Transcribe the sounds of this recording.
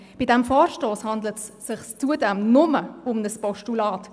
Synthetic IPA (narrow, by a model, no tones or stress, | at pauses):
b̥idɛmfɔːɾʃtoːshɑndlətsːɪχst͡suədɛmnʊməʊmnəspɔʃtulɑːt